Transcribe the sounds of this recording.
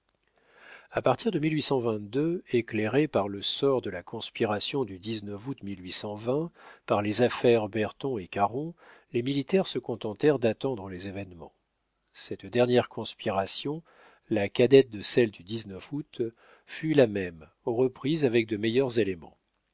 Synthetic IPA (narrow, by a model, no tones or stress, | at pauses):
apaʁt̪ʰiʁd̪əmilɥisɑ̃vɛ̃t̪̚d̪øekleʁepaʁləsɔʁd̪əlakɔ̃spiʁasjɔ̃d̪yd̪iznœvut̪milɥisɑ̃vɛ̃paʁlezafɛʁbɛʁt̪ɔ̃ekaʁɔ̃ | lemilit̪ɛʁsəkɔ̃t̪ɑ̃t̪ɛʁd̪at̪ɑ̃d̪ʁəlezevɛnmɑ̰̃ | sɛt̪d̪ɛʁnjɛʁkʰɔ̃spiʁasjɔ̃ | lakad̪ɛt̪̚d̪əsɛld̪yd̪iznœfut̪ | fylamɛm | oʁəpχizavɛk̚d̪əmejœʁzelemɑ̰̃